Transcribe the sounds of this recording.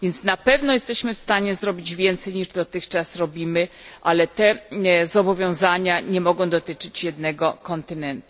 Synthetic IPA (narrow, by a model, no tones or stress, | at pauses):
vjɛnt̪snapɛvnɔjɛst̪ɛɕmɘfst̪aɲɛzɾɔbʲid͡ʑvʲjɛnt̪sɛjɲiʐd̪ɔt̪ɘxt͡ʂasɾɔbʲimɘʔalɛt̪ɛzɔbɔvʲjɔ̃w̃zaɲaɲɛmɔɡɔ̃w̃d̪ɔt̪ɘt͡ʂɘt͡ɕjɛd̪nɛɡɔkɔnt̪ɘnɛnt̪u̥